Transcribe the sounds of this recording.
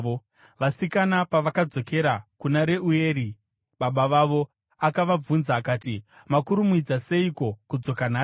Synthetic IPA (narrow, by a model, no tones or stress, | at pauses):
o | ʋasikanapaʋakad͡zo̞ke̞ɾakunaɾe̞uje̞ːɾi | ɓaɓaʋaʋo̞ | akaʋab͡vunzaːkaːti | makuɾumuid͡zase̞iko̞kud͡zo̞kanaː